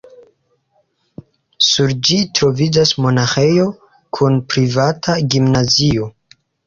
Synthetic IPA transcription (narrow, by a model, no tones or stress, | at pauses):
suɾd͡ʒitɾo̞vid͡ʒasmo̞naxe̞jo̞ | kʰunpɾivatʰaɡimnazio̞